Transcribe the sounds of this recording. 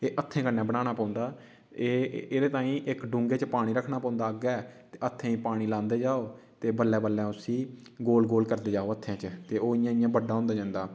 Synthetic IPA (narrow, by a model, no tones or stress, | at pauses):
eːʔət̪ʰːẽːkənːɛ̃ːbəɽ̃aːɽ̃aːpãːnd̪aː | eːeɾeːt̪ãːĩːʔɪkɖũːŋɡeːt͡ʃpaːɽ̃iːɾəkʰɽaːpãːnd̪aːəɡɛːt̪eːət̪ʰːẽːĩːpaːɽ̃iːlãːnd̪eːd͡ʒaːoː | t̪eːbəlːɛːbəlːɛ̃ːʊsĩː | ɡoːlɡoːlkəɾd̪eːd͡ʒaːoːət̪ʰːãːt͡ʃt̪eːoːɪjãːɪjãːbəɖaːɦõːnd̪aːd͡ʒãːnd̪aː